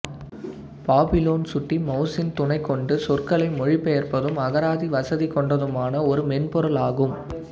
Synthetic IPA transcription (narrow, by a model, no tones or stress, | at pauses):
paːbɪloːnsʊʈːimɐʊsɪnt̪ʊnɐɪkːɔɳɖɯsɔrkɐɭɐɪmɔɻipːɛjɐrpɐðɯmɐɣɐɾaːðiʋɐsɐðikːɔɳɖɐðɯmaːnɐɔɾɯmɛnpɔɾɐlaːɣɯm